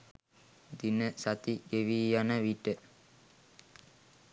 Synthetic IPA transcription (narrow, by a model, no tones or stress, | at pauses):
d̪inəsat̪iɡeʋiːjanəʋiʈə